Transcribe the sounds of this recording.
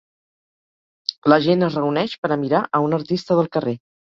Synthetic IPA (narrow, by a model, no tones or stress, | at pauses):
ləʒenəzrəunɛʃpəɾəmiɾaʔəunəɾt̪ist̪əðəlˠkəre